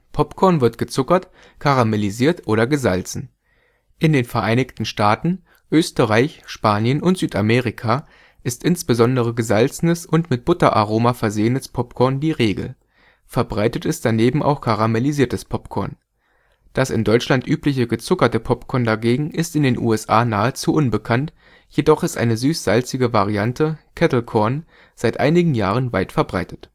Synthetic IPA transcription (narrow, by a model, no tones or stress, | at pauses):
pʰɔpkʰɔɐnvɪɐtɡ̥ət͡sʊkɐt | kʰaʁameliziːɐtʔoːɾɐɡəzalt͡sn̩ | ʔɪndeːnfɛɐʔaɪnɪçtn̩ʃtaːtn̩ | ʔøːstəʁaɪçʃpaːnjənʔʊntz̥yːtameːʁikʰa | ʔɪstʔɪnsb̥əzɔndəʁ̞əɡəzalt͡sn̩əsʊntmɪt̚b̥ʊtɐʔaʁ̞oːmafɛɐzeːənəspʰɔpkʰɔɐndiːʁeːɡl̩ | fɛɐbʁaɪtətɪst̚d̥aneːbm̩ʔa̰ʊxkʰaʁameliziːɐtəspʰɔpkʰɔɐn | d̥asɪ̰ndɔʏt͡ʃlantʔyːplɪç̬əɡət͡sʊkɐtəpʰɔpkʰɔɐndaɡeːɡŋ̩ʔɪstɪndeːnʔṵːɛsʔaːnaːət͡suʔʊnbəkʰant | jedɔχɪstʔa̰ɪnəzyːsz̥alt͡sɪɡəvaʁ̞iantʰəkʰɛtl̩kʰɔɐn | z̥aɪtʔa̰ɪnɪɡŋ̩jaːʁ̞ənva̰ɪtfɛɐbʁaɪtə̥t